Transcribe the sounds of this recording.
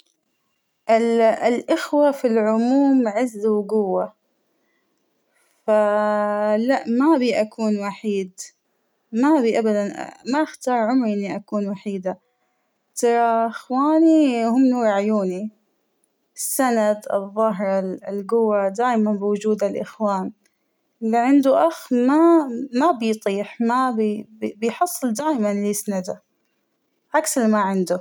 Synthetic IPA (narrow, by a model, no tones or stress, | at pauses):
ʔɪllʔɪxwafilʕʊmuːmʕɪzːwɡʊwːa | fa | laʔmabiʔakʰuːnwaħiːd̪ | maβiːʔabad̪an̰maʔɪxt̪ɑːɾˤʕʊmɾiʔɪnːiʔakuːnwaħiːd̪a | t̪ɑɾˤɑɪxwaːnihʊmːnuːɾˤaʕjuːni | ɪsːanad̪ɨ̰ðˤːɑɦɾˤɑlɡʊwːad̪aːjmanbɪwʊd͡ʒuːd̪alʔɪxwaːn | liʕɪnd̪uʔaxmamabɪjt̪ˤiːħmabbɪjħɑsˤːɨld̪aːjmanlisanad̪a | ʔaksalmaʕɪnd̪u